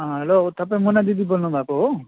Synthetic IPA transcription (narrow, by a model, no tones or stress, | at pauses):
ɦãɦelot̪apẽmɔnad̪id̪ibɔlnɔbʱako